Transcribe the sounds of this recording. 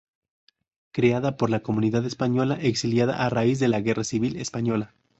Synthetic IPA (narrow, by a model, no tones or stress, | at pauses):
kɾeaðapo̞ɾlako̞mũniðaðespaɲo̞laʔe̞ksiljaða̰ʔaraizðe̞laɣe̞rasiβilespaɲo̞la